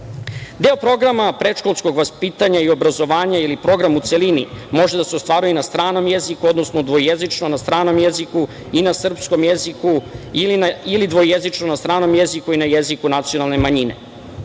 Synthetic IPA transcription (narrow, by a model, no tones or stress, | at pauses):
d̪eopɾo̞ɡɾamapɾeʃko̞lˠsko̞ɡʋaspit̪aɲaio̞bɾazo̞ʋaːɲailipɾo̞ɡɾamut̪selinḭmo̞ʒed̪ase̞ost̪ʋaːɾujenast̪ɾaːno̞mjezikuod̪no̞snod̪ʋo̞jezit͡ʂnonast̪ɾaːno̞mjeziku | inasr̩psko̞mjezikuilinailid̪ʋo̞jezit͡ʂnonast̪ɾaːno̞mjezikuinajezikunat̪sijo̞nalˠne̞maɲinḛ